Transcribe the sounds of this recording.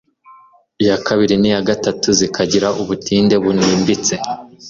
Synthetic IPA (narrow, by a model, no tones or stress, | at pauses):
ijakaβiɾinijaɡatatuzikʰaɟiɾaʔuβutʰiːnde̞βuniːmbit͡se̞